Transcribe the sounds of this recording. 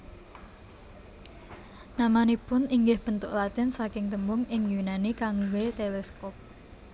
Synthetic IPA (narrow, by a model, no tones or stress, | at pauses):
namanipʊniŋɡɪhb̥ənt̪ʊʔlat̪ɪnsakɪŋt̪əmbʊŋɪŋjunanikaŋwet̪elɛskɔp̚